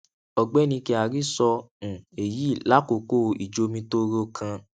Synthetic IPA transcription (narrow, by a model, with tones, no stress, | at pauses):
ɔ˧ɡ͡bɛ˦nĩ˧ki˧˦a˨ɾi˦sɔ̃˧˨e˨ji˨˦˨la˦ko˨ko˦˨i˨d͡ʒo˧˦mĩ˧to˦ɾo˧kʰã˧